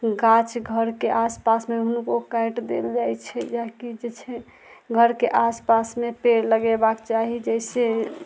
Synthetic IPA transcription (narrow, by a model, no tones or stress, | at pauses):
ɡat͡ʃɡʱəɾkeʔaspasmeɦunukokajʈd̪ḛld͡ʒajt͡ʃʰɛd͡ʒakid͡ʒet͡ʃʰɛ | ɡʱəɾkeʔaspasmepeɾləɡɛbakt͡ʃaɦid͡ʒɛɪse